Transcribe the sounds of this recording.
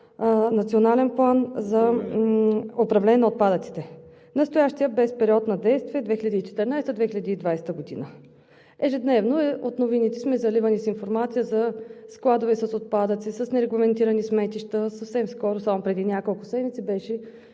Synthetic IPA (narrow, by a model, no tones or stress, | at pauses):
nɐt̪sionalɛnplˠanzɐ | opɾɐvlɛnʲɛnot̪̚pad̪ət̪si̥t̪ɛ | nɐst̪ojaʃt̪ijəbɛspɛɾiɔt̪nɐd̪ɛjst̪viɛd̪vɛxiləd̪iːt͡ʃɛ̥t̪ɛɾnajsɛt̪əd̪vɛxilʲəd̪iːd̪vajst̪əɡod̪ḭnə | ɛʒɛd̪nɛvnoɛot̪novinit̪ɛsmɛzɐlivənisinfoɾmat̪sijəzɐsklˠad̪ovɛsɐsot̪̚pad̪ət̪sisəsnɛɾɛɡlˠɐmɛnt̪iɾənismɛt̪iʃt̪əsɐfsɛmskɔɾʊsamopɾɛd̪inʲjakolˠkʊsɛd̪mʲit̪sɛbɛʃɛ